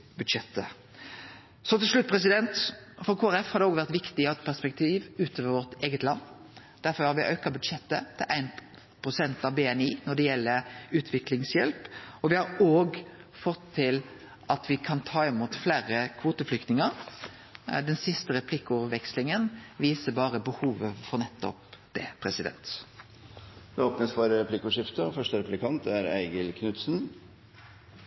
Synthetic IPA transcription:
bʉd̪ʂɛt̪ːə | sɔt̪ɪlʂlʉt̪̚ːpʰɾɛsɪd̪ɛnt̪fɔɾkʰoːæɾɛfhɑɾd̪ɛoːɡʋæɾt̪ʋɪkt̪ɪɑʋɛt̪̚pʰæʁspɛk̚t̪ʰiːʋʉːt̪ʰoːʋəɾʋɔʁt̪eːɡət̪lɑ̰nː | d̪̥æɾfɔɾhɑɾʋɪʔøːkɑbʉd̪ʂɛt̪ːət̪ʰɪlʔæɪn | pʰɾʊsɛnt̪ɑʋbeːɛniːnɔd̪ɛjɛlːəɾʉːt̪ʰʋɪklɪŋsjɛlpɔʋɪhɑɾoːɡfɔt̪ʰːɪl | ʔɑt̪ʋɪkʰɑnt̪ʰɑːɪmuːt̪flæːɾəkʰʋoːt̪əflʏkt̪nɪŋəɾ | d̪ɛnsɪst̪əɾɛpʰlɪkʊʋɛkslɪŋənʋiːsəbɑːɾəbəhuːʋəfɔɾnɛt̪ːɔ̰pd̪̥ɛːpʰɾɛsɪd̪ɛ̰nt̪ | d̪ɛoːpnəsfɔɾɾɛpʰlɪkʊʂɪft̪əfœʂtəɾɛplɪkʰɑnt̪æɾæ̰ɪɡəlkʰnʉt̪sn̩

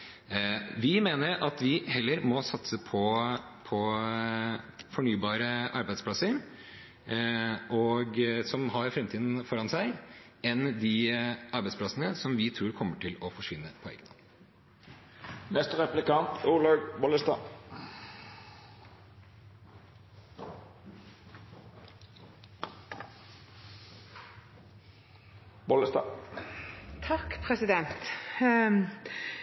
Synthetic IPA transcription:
ʋɪmeːnəɾɑt̪ʋɪhɛlːəɾmɔsɑt̪səpʰɔ | pʰɔ | fɔɳyːbɑːɾəʔɑɾbæɪd̪spʰlɑsəɾ | ʔɔɡsɔmɦɑɾfɾɛmt̪ʰiːd̪n̩fɔɾɑnsæɪ | ɛnd̪ɪɑɾbæɪd̪spʰlɑsənəsɔmʋɪt̪ʰɾuːɾkʰɔmːəʈʰɪlɔfɔʂʋɪnːəpʰɔɛ̰ɡənɑ̰p̪ | nɛst̪əʁɛplɪkɑnt̪ʊʁlɑːɡbɔləst̪ɑː | bɔləst̪ɑ̰ː | t̪ʰɑkpʰɾɛsɪd̪ɛnt̪

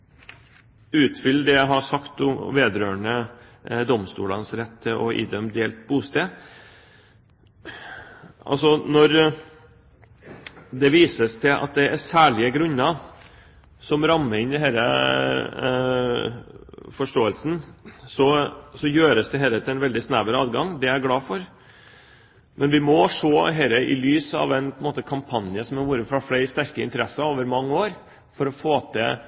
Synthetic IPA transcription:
ʉːt̪fʏlːəd̪ɛjæɪɦɑsɑkt̪ʊmʋeːd̪ɾøːɳəd̪ɔmst̪ṵːlɑnsɾɛt̪ʰːɪlʔɔ̰ḭːd̪œmd̪eːlt̪̚buːst̪eː | ʔɑ̰lsɔnɔɾ | d̪ɛʋiːsəst̪ʰɪlʔɑ̰t̪̚d̪ɛæɾsæːɭɪəɡɾʉnːɑ | sɔmɾɑmːəɾɪnd̪ɛɦæːɾə | fɔʂʈoːəlsn̩sɔsɔjøːɾəsd̪ɛɦɛːlət̪ɪɛnʋɛld̪ɪsnæʋəɾɑːd̪ɡɑŋd̪ɛæɾɡɽɑːfɔɾ | mʔɛnʋɪmɔʂoːɦɛɪləʔɪ̰lyːsɑ̰ʋɛɪnpʰɔənmoːt̪əkʰɑmpʰɑnjəsɔmæʋuːɾəfɾɑflæɪst̪æɾkəɪ̰nt̪əɾɛsːɑoːʋəɾmɑŋːəoːɾ | fɔɾɔfoːt̪ʰɛ̰

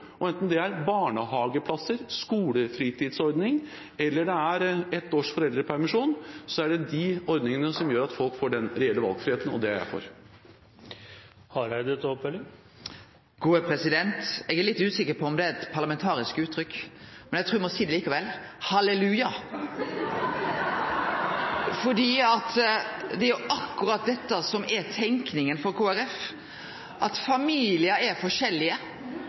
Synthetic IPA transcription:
ɔɛnt̪ənd̪ɛæɾbɑːɳəɦɑːɡəpʰlɑsəɾskuːləfɾiːt̪ʰiːd̪sɔɾd̪nɪŋ | ɛlːəɖɛæɾɛt̪ːoːʂfɔɾɛld̪ɾəpʰæɾmɪʂuːnsɔæɖɛd̪ɪɔɾd̪nɪŋənəsɔmjøːɾɑt̪fɔlkfoːɖɛnɾɛɛlːəʋɑ̰lɡfɾɪheːt̪ənɔ̰d̪ɛæɾjæ̰ɪfɔ̰ɾ | hɑɾæd̪ɛt̪ʰopɛlɪ | ɡ̥uːəpʰɾɛsɪd̪ɛnt̪ɛɡæɾɭɪt̪ːʉːsɪkːəɾpʰɔɔmd̪ɛæɾɛt̪pʰɑɾlɑmɛnt̪ʰɑːɾɪskʉːt̪ʰːɾʏkːmɛnæɪt̪ɾuːʋɪmɔsiːd̪ɛliːkɑʋɛlhɑlɛlʉːjɑ | fɔɖiːɑt̪d̪ɛæɾjʊʔɑkːʉɾɑt̪̚d̪ɛt̪ːəsɔmɛt̪ʰɛŋknɪŋənfɔɾkʰoːæɾɛf | ʔɑt̪fɑmiːlɪəɛɾfɔʂɛlːɪə

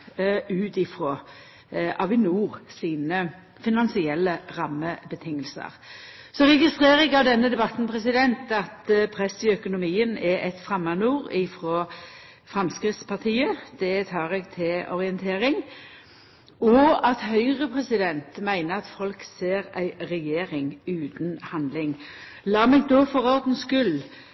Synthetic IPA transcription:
ʉːt̪ɪfɾo | ʔɑʋɪnuːʁsiːnə | fɪnɑnsɪɛlːəʁɑmːəbət̪ʰɪŋːəlsə̰ʁ | sɔɾɛɡɪst̪ʁeːʁɛɡɑʋd̪ɛnːəd̪ɛbɑt̪n̩pʰʁɛsɪd̪ɛnt̪ɑt̪pʰɾɛsːɪœkʊnʊmiːənɛʔɛt̪fɾɑmːɑnuːɾɪfɾoː | fʁɑmskɾɪft̪spʰɑʁt̪ʰiːəd̪̥ɛt̪ʰɑːʁɛɡt̪ʰɪlɔʁɪənt̪ʰeːɾɪŋ | ɔɑt̪hœʏʁəpʰʁɛsɪd̪ɛnt̪mæɪnəɑt̪fɔlkseːʁæɪʁɛjeːʁɪŋʉːt̪n̩hɑnd̪lɪŋ | lɑːmɛɡ̚d̪ofɔʁɔʁd̪n̩skʉl

